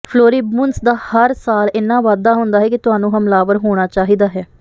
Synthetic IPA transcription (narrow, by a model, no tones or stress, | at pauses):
pʰloːɾiːmuːnsd̪aːhəɾsaːlɪnːãːʋaːd̪aːɦʊnd̪aːɦɛːkɪt̪ʊɦaːnũːɦəmlaːʋəɾɦoːɽ̃aːt͡ʃaːɦiːd̪aːɦɛː